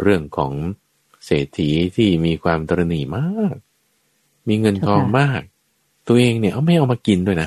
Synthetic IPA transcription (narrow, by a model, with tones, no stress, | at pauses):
ɾɯ˥˩əŋkʰɔ̰ː˩˦ŋ | seː˨˩t̪ʰiː˩˦t̪ʰiː˥˩miː˧kʰwaː˧mt̪ʰɔ˧ɾa˧niː˨˩˦maː˥˩k̚ | miː˧ŋɤ˧nkʰɔː˧ŋmaː˥˩k̚ | t̪u˧əʔeː˧ŋni˥˩ʔa˧wma˥˩jʔa˧wmaː˧ki˧ndu˥˩əjna˦˥